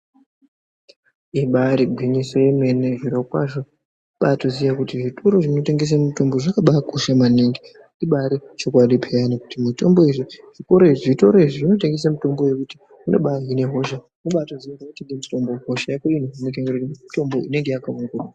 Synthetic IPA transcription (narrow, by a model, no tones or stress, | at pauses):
eɓaɾiɡʱwiɲiso̞jeme̞neʐiɾokwa̰ʐo | ɓatozijakutiʐitʰoɾo̞ʐino̞te̞ŋɡes̬amito̞mboʐakaɓakoʃamaneŋɡi | iɓaɾit͡ʃo̞kwaɗipʰe̞janoku̥timito̞mbo̞iʐiʐ̥iko̞ɾo̞iʐiʐito̞ɾo̞iʐiʐino̞teŋɡes̬amito̞mbo̞je̞kuti̥ | uno̞̰ɓaɦine̞ɦo̞ʃa | muɓatozijarouteŋɡemuto̞mboɦoʃajakoinoɦinekaɡuuiuto̞mbo̞ʔine̞ŋɡe̞jakauŋɡua